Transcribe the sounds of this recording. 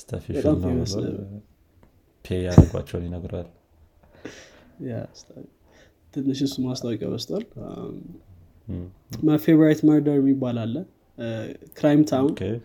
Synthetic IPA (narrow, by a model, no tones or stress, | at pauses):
st̪ʰafibət̪ʼameməsnə̰β | pʰeaɾəɡʷa̰t͡ʃːɛwnjinəɡɾoal | ja̰st̪ʰafi | t̪ʰɨnɨʃ̬ɪsumast̪ʰʼawɔkʼja̰βəst̪ʰʼwal | məfebɾajt̪məɾd̪əɾɛmːibːalalːə | kɾajmt̪ʰawn